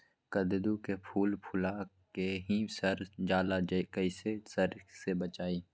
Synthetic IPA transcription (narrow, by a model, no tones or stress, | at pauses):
kəd̪ɪd̪ukepʰuːlpʰʊla | keɦisəɾd͡ʒaːlad͡ʒkəɪsesəɾsebət͡ʃaːiː